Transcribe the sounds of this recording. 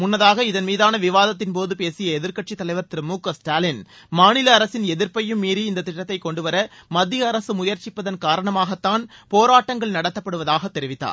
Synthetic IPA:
mʊnːɐðaːɣɐɪðɐnmiːðaːnɐʋɪʋaːðɐt̪̬ːɪnpoːðɯpeːsɪjɐɛðɪɾkɐʈ̚t͡ʃit̪ːɐlɐɪʋɐɾt̪ɪɾɯmuːkɐsʈaːlɪn | maːnɪlɐːɾɐsɪnɛðɪɾpɐjɯmːiːɾiɪnd̪ɐt̪ːɪʈːɐt̪ːɐɪkɔɳɖɯʋɐɾɐmɐd̪ːɪjɐːɾɐsɯmʊjɐɾt͡ʃɪpːɐðɐnkaːɾɐɳɐmaːɣɐt̪ːaːnpoːɾaːʈːɐŋɡɐɭnɐɽɐt̪ːɐpːɐɽɯʋɐðaːɣɐt̪ːɛɾɪʋɪt̪ːa̰ːɾ

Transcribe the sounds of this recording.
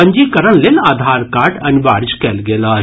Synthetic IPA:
ɐ̃ɲd͡ʒiːkɐɾəñlelaːd̪ʱaːɾkaːɾʈɐnbaːɾd͡ʒkɛːlɡeːlaː

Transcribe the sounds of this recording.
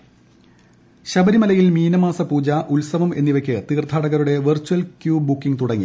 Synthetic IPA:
ɕɐbɐɾimɐlɐjilmiːnɐmaːsɐpuːd͡ʑaʔulsɐʋɐme̞̰nːiʋɐkʲːɨt̪iːrt̪ʰːaːɽɐɣɐɾuɽe̞ʋɨrt͡ɕːuɐlkjuːbukːiŋt̪uɽɐŋːḭ

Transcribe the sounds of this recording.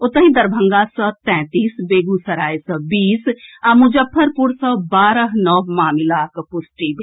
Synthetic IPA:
ʊt̪ãɦĩːd̪əɾbʱəŋɡaːsɔːt̪ɛ̃ːt̪iːsbeːɡuːsɐɾaːjsɔːbiːsamʊd͡ʒəpʰːəɾpʊɾsɔːbaːɾəɦnɔːmaːmɪlaːkpʊsʈiːb

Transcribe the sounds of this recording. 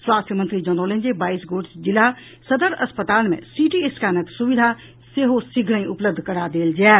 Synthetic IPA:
swaːst̪ʰjəmənt̪ɾid͡ʒɔːnoːlẽnd͡ʒebaːisɡoːɖsd͡ʒɪla | səd̪əɾɐspət̪aːlmḛ̃siʈieskaːnəksʊʋɪd̪ʱa | seɦosɪɡʱɽə̃ĩʊpləb̚d̪ʱkəɾad̪eːld͡ʒɛː

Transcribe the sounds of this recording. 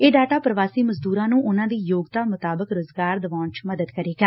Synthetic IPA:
eːɖaːʈaːpɾəʋaːsiːməzd̪uːɾãːnũːʔʊnãːd̪iːjoːɡt̪aːmʊt̪aːbəkɾʊzɡaːɾd̪əʋãːɳt͡ʃməd̪əd̪kəɾeːɡaː

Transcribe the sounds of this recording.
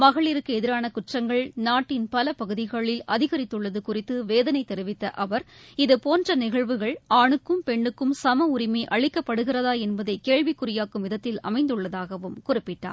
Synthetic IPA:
mɐɣɐɭɪɾɯkːɯɛðɪɾaːnɐkʊʈrɐŋɡɐɭnaːʈːɪnpɐlɐpɐɣɯðɪɣɐɭɪlɐðɪɣɐɾɪt̪ːɯɭːɐðɯkʊrɪt̪ːɯʋeːðɐnɐɪt̪ːɛɾɪʋɪt̪ːɐʔɐʋɐɾɪðɯpoːndrɐnɪɣɐɭʋɯɣɐɭaːɳɯkːɯmpɛɳːɯkːɯmsɐmɐʊrɪmeːʔɐɭɪkːɐpːɐɽɯɣɪrɐðaːɛnbɐðɐɪkeːɻʋɪkːʊrɪjaːkːɯmʋɪðɐt̪ːɪlɐ̰mɐɪnd̪ɯɭːɐðaːɣɐʋɯmkʊrɪpːɪʈːa̰ː

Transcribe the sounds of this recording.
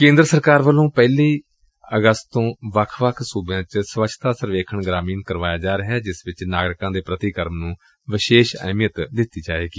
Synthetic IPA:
kẽːnd̪ɾəsəɾkaːɾʋəlõːpɛːliː | əɡəst̪t̪õːʋəkʰʋəkʰsuːbãːt͡ʃsʋət͡ʃʰt̪aːsəɾʋeːkʰəɳɡɾaːmiːnkəɾʋaːjaːd͡ʒaːɾeɦɛːd͡ʒɪsʋɪt͡ʃnaːɡɽɪkãːd̪eːpɾət̪ikəɾmnũː | ʋɪʃeːʃə̰ːmjət̪d̪ɪt̪ːiːd͡ʒaːeːɡiː

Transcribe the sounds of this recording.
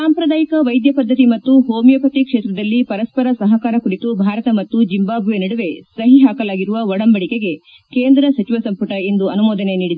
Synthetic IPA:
saːmpɾɐd̪aːjikɐʋɐjd̪jɐpɐd̪ʱːɐt̪imɐt̪ːuɦoːmijɐpɐt̪ikʂeːt̪ɾɐd̪ɐlːipɐɾɐspɐɾɐsɐɦɐkaːɾɐkuɽit̪ubʱaːɾɐt̪ɐmɐt̪ːud͡ʒimbaːbʱʋeniɽuʋe̞sɐɦiɦaːkɐlaːɡiɾuʋɐʋɔɽɐmbɐɽike̞ɡe̞ | keːnd̪ɾɐsɐt͡ʃiʋɐsɐmpɐʈɐind̪uɐnumoːd̪ɐne̞niːɽid̪e

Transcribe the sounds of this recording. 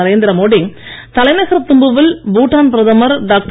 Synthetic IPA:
ɐɾeːnd̪ɪɾɐmoːɽɪŋ | t̪ɐlɐɪnɐɣɐɾt̪ʊmbɯʋɪlbuːʈːaːnpɪɾɐðɐmɐɾɖaːk̚ʈ

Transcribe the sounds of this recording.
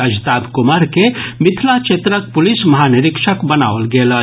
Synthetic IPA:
ɐd͡ʒt̪aːd̪kʊmaɾkemɪt̪ʰlat͡ʃet̪ɾək̚pʊlɪsmɐɦaːnɪɾɪkʃəkbɐna̰ːʋəlɡeːlə

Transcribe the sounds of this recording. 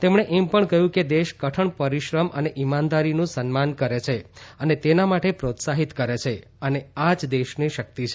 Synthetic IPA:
t̪emɳ̃eʔɛmpəɳkəɦjũked̪eʃkəʈʰəɳpəɾiʃɾəmʔə̰neʔimand̪aɾinũsənmankəɾet͡ʃʰeənet̪enamaʈepɾot̪saɦit̪kəɾet͡ʃʰe | ənead͡ʒd̪eʃniʃək̚t̪it͡ʃʰ

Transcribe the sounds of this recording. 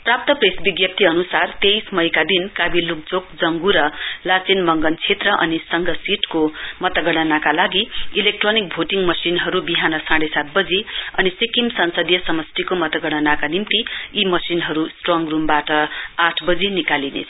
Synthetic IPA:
prap̚t̪ʌpresbiɡjʌp̚t̪ʰiʌnusart̪ejsmʌjkad̪inkabiluk̚d͡zok̚d͡zʌŋɡuɾʌlat͡sinmʌŋɡʌnt͡sʰet̪rʌʔʌnisʌŋɡʱʌsiʈkomʌt̪ʌɡʌɽ̃ʌnakalaɡiilek̚ʈronik̚bʱoʈiŋɡmʌsinɦʌɾubiɦanʌsãɽesat̪̚bʌd͡ziʌnisikimsʌnsʌd̪jʌsʌmʌst̪ikomʌt̪ʌɡʌɽ̃ʌnakanimt̪iimʌsinɦʌɾusʈroŋrumbaʈʌaʈʰbʌd͡zinikalinḛt͡sʰ

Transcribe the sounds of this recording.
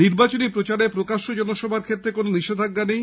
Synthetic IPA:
niɾbat͡ɕonipɾot͡ɕaɾepɾokaʃod͡ʑɔnoʃɔbʱaɾkʰet̪ːɾekononiʃed̪ʱaɡːanej

